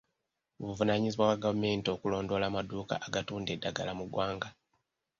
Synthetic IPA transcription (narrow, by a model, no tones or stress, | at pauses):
oβuvunaɲiziβwawaɡavume̞ːntio̞ːkulo̞ːndo̞ːlaːmaduːka̰ʔaɡatuːndedːaɡalamuɡwaːŋɡa